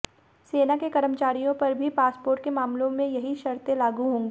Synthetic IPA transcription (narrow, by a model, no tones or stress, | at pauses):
seːnakekɐɾəmt͡ʃaːɾijõpɐɾbʱipaːspoːɾʈ̚kemaːmlõmẽjɐɦiʃɐɾt̪ẽlaːɡuɦõːŋɡeː